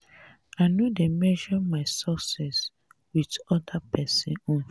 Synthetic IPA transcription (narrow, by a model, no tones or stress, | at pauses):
aɪnjudemɛʒɔmaɪsɔsɛs | widɔdapʰɛsɛ̰̃nɔ̃n